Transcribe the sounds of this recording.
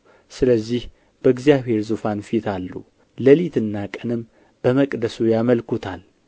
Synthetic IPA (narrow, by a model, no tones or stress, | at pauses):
sɨləzːih | b̥əɨɡzijaβhe̞ɾzufanfit̪ʰalːṵ | ləlit̪ʰɨnːakʼənɨm | b̥əməkʼd̪əsujaməlkʰut̪ʰal